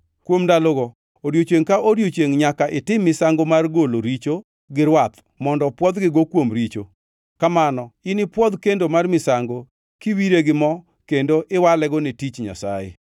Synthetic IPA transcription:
kwomdalɔɡɔ | oɾjot͡ʃeŋkaoɾjot͡ʃeŋɲakaʔɪtɪmːɪsaŋɡomarɡoloɾit͡ʃo | ɡɪɾwat̪ | mɔndɔpwɔd̪ɡɪɡokwomɾit͡ʃo | kamanɔɪnɪpwɔd̪kendomarmɪsaŋɡo | kiwiɾeɡɪmɔ | kendoʔɪwalɛɡɔnitit͡ʃɲa̰sa̰jḛ

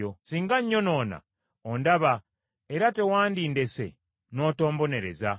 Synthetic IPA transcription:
osiːŋɡaɲːo̞no̞ːna̰ | ondaβa | eɾate̞waːndinde̞se̞̰ | no̞ːto̞ːmbo̞ne̞ɾe̞̰za

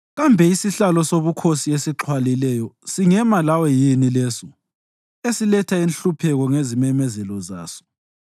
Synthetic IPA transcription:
ɣambʱɛisiɬalɔsoβukʰosiesiǁʰwalilɛjɔsiŋɛmalawɔjinilɛːsɔ | esilɛtʰainɬupʰɛɣɔŋezimɛmɛzɛlɔzaːsɔ̥

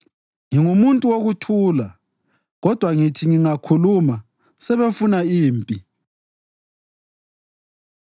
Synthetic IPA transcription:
ŋiŋumuntʼuwoɣutʰuːla | ɣɔd̥ʱwaŋitʰiŋiŋakʰuluma | sɛβefunaiːmpʼi

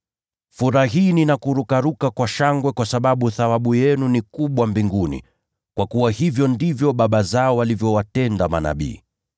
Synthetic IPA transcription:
fuɾaɦiːninakuɾukaɾukakwaʃaŋɡwɛkwasaɓaɓuθawaɓujɛnunikuɓwambiŋɡunḭ | kwakuwahivjɔndivjɔɓaɓazaɔwalivjɔwatɛndama̰na̰ɓḭː

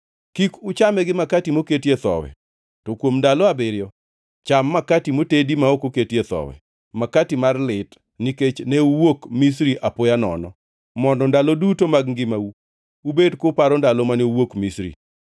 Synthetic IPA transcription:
kikʊt͡ʃamɛɡɪmakatimoketjet̪ɔ̰wɛ̰ | tokwomndalɔabɪɾjɔ | t͡ʃamːakatimotedimaokoketjet̪ɔ̰wɛ̰ | makatimarlɪt | niket͡ʃneuwokmis̬ɾiʔapojanɔ̰nɔ | mɔndɔndalɔdutomaɡŋɡɪmau | ubedkʊpaɾɔndalɔmaneuwokmisɾḭ

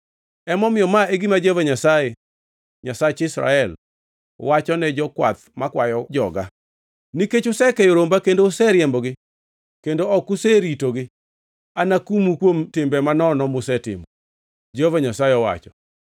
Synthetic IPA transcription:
ɛmɔmɪjɔmaeɡimad͡ʒɛvaɲasaje | ɲasat͡ʃɪsɾa̰ɛl | wat͡ʃɔnɛd͡ʒɔkwa̰t̪makwajɔd͡ʒɔɡa̰ | niket͡ʃʊsɛkɛjoɾombakendosɛɾjɛmbɔɡɪ | kendoɔkʊseɾitoɡɪ | anakumukwomtɪmbɛmanɔnɔmʊsɛtɪ̰mɔ | d͡ʒɛovaɲasajeɔwa̰t͡ʃɔ

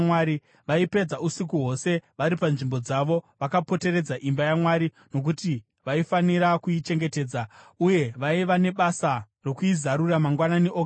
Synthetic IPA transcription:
waɾi | ʋaipe̞d͡zausikuɦo̞se̞ʋaɾipanʐimbo̞d͡zaʋo̞ʋakapo̞te̞ɾe̞d͡zaʔimbajamwaɾi | no̞k̬uti | ʋaifaniɾakuit͡ʃe̞ŋɡe̞te̞ːd͡zauje̞ʋaiʋane̞ɓasa | ro̞kuizaɾuramaŋɡwananeʔoɡ

